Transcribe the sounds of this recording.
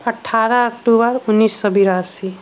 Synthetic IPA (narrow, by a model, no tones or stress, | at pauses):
əʈʰaɾaɔk̚ʈubəɾunːisːɔbiɾasi